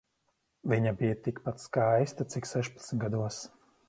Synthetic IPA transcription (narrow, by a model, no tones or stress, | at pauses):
viɲabijat̪ikpat̪skajst̪at̪siksɛʃpḁt̪smʲɡad̪uɔs